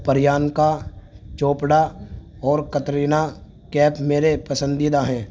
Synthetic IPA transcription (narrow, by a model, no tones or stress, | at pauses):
pəɾɪjaːnkat͡ʃoːpɽa | ɔːɾkət̪ɾiːna | kɛːpmeːɾepɐsə̃nd̪id̪aɦɛ̃ː